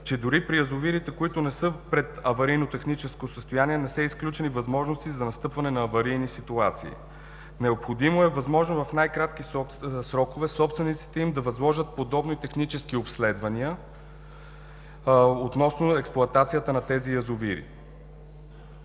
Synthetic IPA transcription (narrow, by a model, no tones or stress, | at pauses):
t͡ʃɛd̪ʊɾipɾijəzʊviɾit̪ɛkoit̪ʊnɛsɤpɾɛt̪ɐvɐɾijnot̪ɛxnit͡ʃɛskosəst̪ojanʲiɛnɛsɛisklʲut͡ʃɛnivɐzmɔʒnost̪izɐnɐst̪ɤpvɐnɛnɐːvɐɾijnisit̪uat̪sḭḭ | nɛopxod̪imoɛvɐzmɔʒnovɐfnajkɾat̪k̟isɾɔkovɛsɔpst̪vɛnit̪si̥t̪ɛimd̪ɐvɐzlˠɔʒət̪̚pod̪ɔbnoit̪ɛxnit͡ʃɛskiopslɛd̪vɐniə | ot̪nɔsnoɛksplˠʊɐt̪at̪sijət̪ənɐt̪ɛzijɐzʊviɾḭ